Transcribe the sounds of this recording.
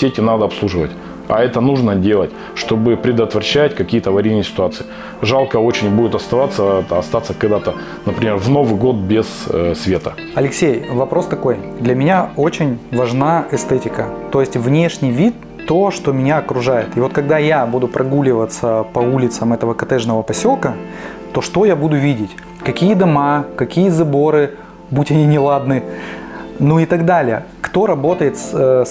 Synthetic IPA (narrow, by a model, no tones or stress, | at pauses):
sʲetʲɪnad̪əɐpslˠuʐɨvətʲ | ɐ̰ɛt̪ənuʐnədʲe̞lˠətʲ | ʂt̪o̞bɨpɾʲɪd̪ət̪vɾɐɕːætʲkɐkʲijət̪əvɐɾʲijnɨjəsʲɪ̥t̪ʊat̪sɨɪ | ʐalˠkəo̞t͡ɕɪnʲbudʲɪt̪ɐst̪ɐvat̪sːəɐst̪at̪səkɐɡd̪at̪ə | nəpɾʲɪmʲervno̞vɨɡo̞t̪̚bʲɪzsvʲe̞t̪ə | ɐlʲɪksʲejvɐpɾo̞st̪ɐko̞jd̪lʲɐmʲɪnʲao̞t͡ɕɪnʲvɐʐnaɛst̪ɛtʲɪkət̪o̞jɪsʲtʲvnʲe̞ʂnʲɪjvʲit̪ːo̞ʂt̪o̞mʲɪnʲaɐkɾʊʐajɪt̪ɪvo̞t̪kɐɡ̚d̪ajabud̪ʊpɾʔɐɡulʲɪvət̪səpɐulʲɪt̪səmɛt̪əvəkɐt̪ɛʐnəvəpɐsʲo̞lˠkə | t̪o̞ʂt̪o̞jabud̪ʊvʲidʲɪtʲ | kɐkʲijəd̪ɐmakɐkʲijəzɐbo̞ɾɨ | butʲɐnʲinʲɪlˠad̪nɨ | nuɪt̪ɐɡd̪alʲɪjə | kt̪o̞ɾɐbo̞t̪əjɪt̪s